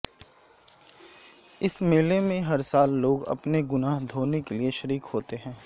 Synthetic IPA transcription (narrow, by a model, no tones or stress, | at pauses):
ɪsmeːlemẽɦɐɾsaːlːoːɡɐ̰pneɡʊnaːɦd̪ʱoːnekelieʃəɾiːkɦoːt̪eɦɛ̃ː